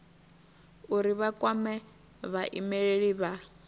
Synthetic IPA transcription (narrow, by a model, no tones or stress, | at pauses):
uɾiβakʼwamɛ | βaʔimɛɺeɺiβa